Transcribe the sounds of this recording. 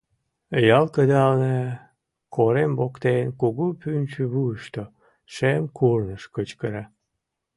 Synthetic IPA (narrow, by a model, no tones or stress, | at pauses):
jɑlkəd̪ɑlne | kʰoɾembokt̪enkuɣupynt͡ɕyβuʃt̪o | ʃemkurnəʃkət͡ɕkəɾɑ